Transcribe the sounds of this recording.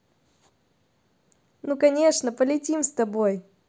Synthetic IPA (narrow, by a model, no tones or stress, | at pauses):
nukɐnʲe̞ʂnəpəlʲɪtʲimst̪ɐbo̞j